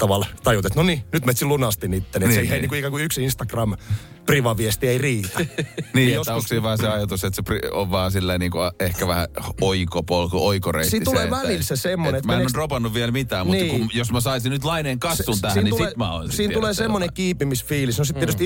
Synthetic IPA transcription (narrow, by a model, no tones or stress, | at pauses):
t̪ɑʋɑlt̪ɑjut̪et̪noninyt̪met̪silunɑst̪init̪ːeneseiheiniːŋkuikɑkuyksinst̪ɑkrɑm | priʋɑʋiest̪ieiriːt̪æniːejost̪ːæoksiːʋɑːseɑjɑt̪uset̪seprio̰ʋʋɑːsilːɑiniːŋkuɑehkæʋæhæ̰oikopolkooikorḛisiːit̪uleːmænilsesemːoneet̪mæenenoropɑnːuʋʋielmit̪æːmutiːkumjosmæsɑisinyt̪lɑineːŋkɑsːunt̪æhnːniuseːt̪mæo̰insiːnt̪uleːsemmːonekiːpimisfiːlisnosit̪ːiet̪yst̪